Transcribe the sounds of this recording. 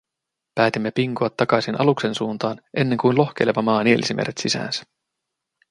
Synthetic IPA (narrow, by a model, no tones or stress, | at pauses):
pæːt̪imːe̞piŋkoɑt̪ːɑkɑjsinʔɑ̰lukse̞nsuːnt̪ɑːnʔe̞nːe̞ŋkujnlo̞xk̟e̞jleʋɑmɑːnielʔisimʔeɾet̪sisæ̰ːnsæ̥